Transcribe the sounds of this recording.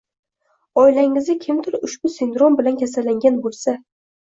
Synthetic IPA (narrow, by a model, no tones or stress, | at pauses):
ɒjlaŋɪzɪkʲʰɪmd̪ɪɾʊʃb̥ʊsɪnd̪ɾo̞mbɪlankʲʰasalːaŋɡʲanbolˠsa